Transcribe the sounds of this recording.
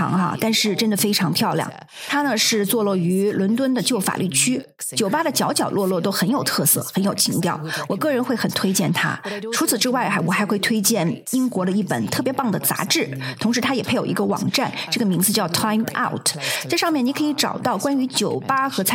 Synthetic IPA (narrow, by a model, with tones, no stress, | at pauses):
ɑ̰˧˥ŋa̰˥˧t̪a˥˧nʂɻ̩˥˩ʈ͡ʂə˥nd̪ə˨fe˥ɪʈ͡ʂʰɑ˧˥ŋpʰjɑ˥˧ʊljɑ̰˥˩ŋ | t̪ʰa˥nə˨ʂɻ̩˥˧t͡swɔ˥˧lɔ˥˩y˧˥lwə˧˥nt̪wə˥nd̪ə˨t͡ɕjo˥˩ʊfa̰˨˩lʔy˥˩t͡ɕʰy˥ | t͡ɕjo˨˩ʊpa˥ɾə˨t͡ɕjɑ˧˥ʊt͡ɕjɑ˨˩ʊlwɔ˥˧lwɔ˥˩t̪o˥ʊxə˧˥njo˨˩ʊt̪ʰɤ˥˧sɤ̰˥˩xə˧˥njo˨˩ʊt͡ɕʰi˧˥ŋt̪jɑ˥˩ʊwɔ˨˩kɤ˥˩ɻə˧˥nxwe˥˩ɪxə˨˩nt̪ʰwe˥ɪt͡ɕjɛ˥˩nt̪ʰa̰˥ʈ͡ʂʰu˧˥t͡sʰɹ̩˨˩ʈ͡ʂɻ̩˥wa˥˩ɪxa˧˥wɔ˨˩xa˧˥ɪxwe˥˩ɪt̪ʰwe˥ɪt͡ɕjɛ˥˩ni˥ŋkwɔ˧˥ɾə˧i˥˩pə̰˨˩nt̪ʰɤ˥˩pjɛ˧˥pɑ˥˩ŋd̪ə˩t͡sa̰˧˥ʈ͡ʂɻ̩˥˩t̪ʰʊ˧˥ŋʂɻ̩˧˥t̪ʰa˥jɛ˨˩pʰe˥ɪjo˨˩i˧˥ɡə˧wɑ̰˨˩ŋʈ͡ʂa˥˩nʈ͡ʂɤ˥˩ɡə˩mi˧˥ŋd͡zɹ̩˧t͡ɕjɑ˥˩ʊt̪ʰa˥ɪma̰˥˩ʊtʰt͡sa˥˧ɪʂɑ˥˧ŋmjɛ˥˩ni˧˥kʰɤ˧˥i˧˥ʈ͡ʂɑ̰˨˩ʊt̪ɑ˥˩ʊkwa˥ny˧˥t͡ɕjo˨˩ʊpa˥xɤ˧˥t͡sʰ